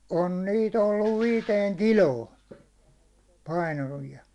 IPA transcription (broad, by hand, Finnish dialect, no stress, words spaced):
on niːt olːuʋ ʋiːteːŋ kiloːn pɑinɑʋiɑ